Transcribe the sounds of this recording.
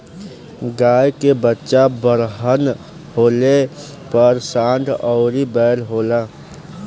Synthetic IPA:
ɡaːjkebətːʃabəɾɦən | ɦoːle | pəɾsãːnt̪ʰɔʊɾibɛːɾɦoːla

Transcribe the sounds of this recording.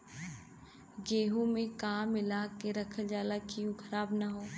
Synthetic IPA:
ɡeːɦõmẽkaːmɪlaːkːeɾɐkʰəd͡ʒaːlakijũkʰɐɾaːbnaɦoː

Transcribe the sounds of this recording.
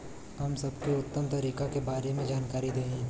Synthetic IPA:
ɦɐmsɐbkeʊt̪ːəmt̪ɐɾiːkakebaːɾemẽd͡ʒaːnkaːɾid̪eːɦẽ

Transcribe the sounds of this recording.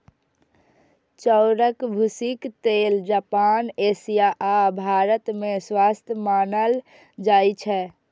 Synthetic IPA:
t͡ʃəʊɾəkbʱusikt̪eld͡ʒaːpaːnesijaʔabʱaːɾət̪mẽswast̪ʰjəmaːnəl | d͡ʒaːjt͡ʃʰɛ

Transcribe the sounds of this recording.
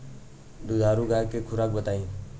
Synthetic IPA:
d̪ud͡ʒaːɾuɡakekʰʊɾakbət̪aːĩ

